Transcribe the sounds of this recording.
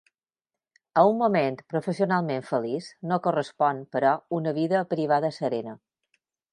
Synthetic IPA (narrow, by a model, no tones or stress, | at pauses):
əumːument̪pɾofəsionalˠmeɱfəlisnokorəspɔnpəɾɔunəβiðəpɾiβ̞aðəsəɾɛnə